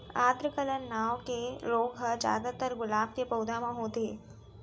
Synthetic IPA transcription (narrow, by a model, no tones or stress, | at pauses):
aːd̪ɾəkələnːaʋkeloːkɦəd͡ʒja̰ːd̪at̪əɾɡʊlaːb̚kepəwd̪amãɦoːt̪e